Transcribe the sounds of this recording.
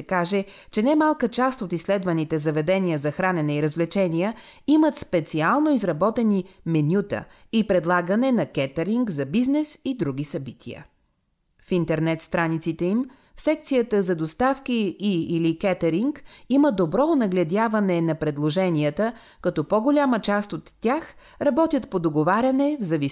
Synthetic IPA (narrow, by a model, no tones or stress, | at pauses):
ɛkaʒɛ | t͡ʃɛnamalˠkət͡ʃast̪ot̪islɛd̪vɐnit̪ɛzɐvɛd̪ɛnijəzɐxɾanɛnɛiɾəzvlɛt͡ʃɛnijə | imət̪spɛt̪sialˠnoizɾɐbɔt̪ɛnimɛnʲut̪ə̰ | ipɾɛd̪lˠaɡənɛnɐkɛt̪ɛɾiŋkzɐbiznɛsid̪ɾuɡisɐbit̪ʰḭə̰ | fint̪ɛɾnɛt̪st̪ɾanit̪sit̪ɛim | fsɛk̚t̪sijət̪əzɐd̪ost̪afkiːilikɛt̪ɛɾiŋkiməd̪obɾɔonɐɡlʲɛd̪ʲjavɐnɛnɐpɾɛd̪lˠoʒɛniət̪ə | kɐt̪ɔpɔɡolʲamət͡ʃast̪ot̪ːax | ɾɐbɔt̪ʲət̪pod̪oɡovaɾʲɐnɛvzɐvi